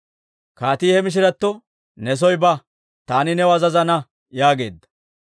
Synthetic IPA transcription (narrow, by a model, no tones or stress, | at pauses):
kaːt̪iːhɛmɪʃ̬ɪɾɐt̪ːɔ | nɛs̬ɔjbɐ | t̪aːnɪnɛwɐzɐzɐnɐ | jaːɡe̞̰ːd̪ːɐ̥